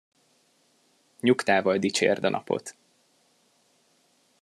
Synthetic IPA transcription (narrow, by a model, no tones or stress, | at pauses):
ɲukt̪aːvɒld̪it͡ʃḛːrd̪ɒnɒ̰po̰t̪